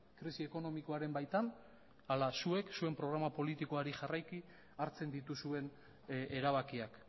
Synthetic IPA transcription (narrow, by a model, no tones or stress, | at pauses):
kɾisie̞ko̞no̞miko̞aɾe̞mbajt̪an | alasue̞ksue̞mpɾo̞ɣ̞ɾamapo̞lit̪iko̞aɾiʝarajki | aɾt͡se̞nd̪it̪usue̞n | eɾaβ̞akiak